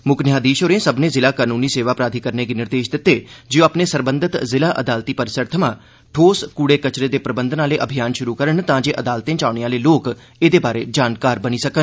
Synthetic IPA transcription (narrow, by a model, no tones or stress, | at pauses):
mʊknjaːd̪iːʃoːɾẽːsəbnẽːzɪlaːkaːnuːniːseːʋaːpɾaːd̪ʱiːkəɾneːɡiːnɪɾd̪eːʃd̪ɪt̪ːeːd͡ʒeõːaːpneːsəɾbənd̪ʱət̪zɪlaːʔəd̪aːlt̪iːpəɾsəɾt̪ʰəmãː | ʈʰoːskuːɽeːkət͡ʃɾeːd̪eːpɾəbənd̪ʱənaːleːʔəbʱijaːnʃʊɾuːkəɾəɳt̪ãːd͡ʒeːʔəd̪aːlt̪ẽːt͡ʃaːʊɳeãːleːloːk | eːd̪eːbaːɾeːd͡ʒaːnkaːɾbəniːsəkən